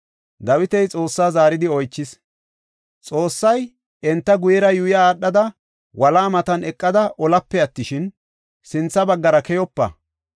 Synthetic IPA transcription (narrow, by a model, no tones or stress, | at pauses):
d̪ɐwɪt̪ɛjt͡sʼo̞ːsːaːzaːɾɪd̪ɪɔjt͡ʃːɪs | t͡sʼo̞ːsːɐj | ɛnt̪ːɐɡʊjɛɾɐjʊjɐːɗːɐd̪ɐ | wɐlaːmɐt̪ɐnɛkʼːɐd̪ɐʔɔlɐpːɛɐt̪ːɪʃɪn | sɪnt͡sːɐbɐɡːɐɾɐkɛjɔpːɐ̰